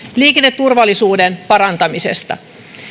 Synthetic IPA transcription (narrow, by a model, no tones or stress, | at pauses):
liːkenːet̪tːurʋɑlːˑisuːdenpɑɾɑnt̪ɑmisḛst̪ɑ̰